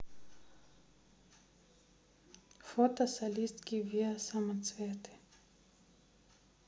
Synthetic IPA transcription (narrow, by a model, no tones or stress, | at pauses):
fɔt̪asalist̪kʲiviasamat͡svɛt̪ɪ̥